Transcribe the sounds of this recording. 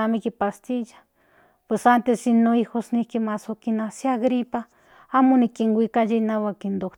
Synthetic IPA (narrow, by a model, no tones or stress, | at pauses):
amĩkipast̪iʒḁ | pesant̪esinõixosnĩkimasokinãsiaɣɾipa | amunĩkiŋɡʷikaʒenãwakind̪o